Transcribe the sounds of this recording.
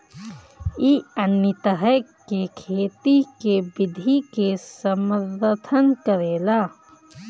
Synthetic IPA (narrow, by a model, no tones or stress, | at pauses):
iənːət̪əɦəkekʰeːt̪ikebɪd̪ʱikesəməɾt̪ʰənkəɾeːlaː